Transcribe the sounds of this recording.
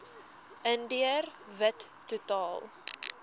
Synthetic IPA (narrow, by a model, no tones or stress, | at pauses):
əndiərvətːutɑːlˠ